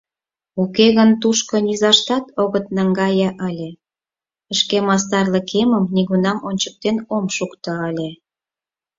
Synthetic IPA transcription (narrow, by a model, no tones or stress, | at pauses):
ukeɣənt̪uʃkŏnʲizɑʃt̪ɑt̪oɣət̪̚nɑŋɡɑjəʔəlʲe | əʃkemɑs̬t̪ɑrləkʰeməmniɣunɑmonʲt͡ɕə̥k̚t̪enomʃukt̪ɤ̆əlʲe